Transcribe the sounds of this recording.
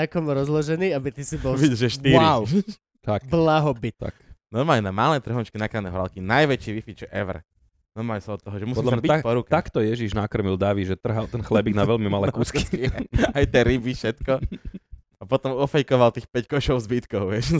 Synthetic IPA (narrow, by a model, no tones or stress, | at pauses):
akɔmɾɔzlɔʒɛniːabit̪isibɔlʋiʒɛʃt̪iɾiaw | t̪akblaɦɔbit̪t̪a̰knɔɾmaːlɲɛnamalɛːt̪r̩ɦɔnt͡ʃkinakɾanɛɦɔɾa̰lkinajʋɛt͡ʃiʋifit̪ʒɛʔɛʋɾɛ | nɔɾmalɲɛsaɔt̪ːɔɦɔʒɛmusɔdlabiapɔɾukɛakt̪ɔjɛʒiʒnakɾɔmild̪aːʋiʒɛt̪r̩ɦalt̪ɛnxlɛbiɡnaʋɛʎmimalɛkuːskiskiajt̪ɛɾibifʃɛt̪kɔ | apɔt̪ɔmɔfɛjkɔʋalt̪iːxpɛckɔʃɔʊzbit̪kɔʊʋɪɛʃ